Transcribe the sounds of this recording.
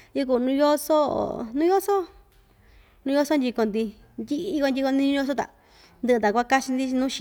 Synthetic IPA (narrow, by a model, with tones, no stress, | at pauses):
ji˧ku˧˨˧nũ˧jo˦so̰˦˨nũ˦jo˦so˦ | nũ˧jo˧so˦nd̪ʲi˧ko˧nd̪i˧ | nd̪ʲi˦ʔko˧nd̪ʲi˧ko˧nĩ˧˦ũ˦o˦˧s̬o˦t̪a̰˨ | nd̪ɨ˧ʔɨ˧t̪a˨kʷa˦˧ka˦t͡ʃi˧nd̪i˦t͡ʃi˧nũː˦ʃi˧